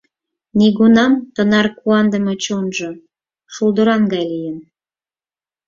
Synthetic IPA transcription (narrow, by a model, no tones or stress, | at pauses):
niɣunɑmt̪ənɑrkuɑnd̪ə̆mɤt͡ɕonʒɤ | ʃuld̪ə̆ɾɑŋɡɑjlijən